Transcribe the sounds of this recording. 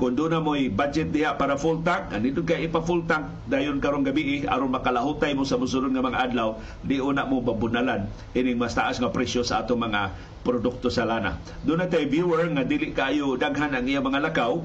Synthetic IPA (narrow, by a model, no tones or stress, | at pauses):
kʊnd̪unamojbad͡ʒɛt̪̚d̪ɪjaʔpaɾafult̪ak̚ːanidʊnkajɪpafult̪ak̚ | d̪aːjʊnkaɾʊnɡabiʔɪa̰ɾonmakalaɦut̪ajmʊsamʊs̬ʊlʊd̪̚ŋamaŋaʔadlaw | dɪʔunaʔmʊbabʊnalan | ʔinɪŋmast̪aʔasŋapɾɛsjosaat̪ʊŋmaŋa | pɾodʊk̚t̪osalana̰ | d̪unat̪ajvjuɛɹŋadilɪʔkaʔaːjʊdaɡɦanaŋijamaŋalakaw